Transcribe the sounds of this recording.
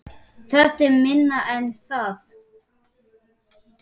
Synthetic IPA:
θɛ̥t̪ɪmɪnːaʔɛnːθaθ

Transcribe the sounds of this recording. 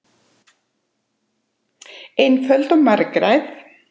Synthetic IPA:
ejnfœlt̪ɔwmaɾkɾajθ

